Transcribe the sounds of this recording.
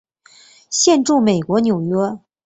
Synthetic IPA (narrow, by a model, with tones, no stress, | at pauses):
ɕjɛ˥˧nʈ͡ʂu˥˩me˨˩ɪkwɔ˧˥njo˨˩ʊjɥɛ˥